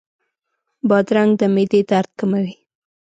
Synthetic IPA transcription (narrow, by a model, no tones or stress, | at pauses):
bɑd̪ɾaŋɡd̪əmed̪ed̪aɾt̪̚kəmawi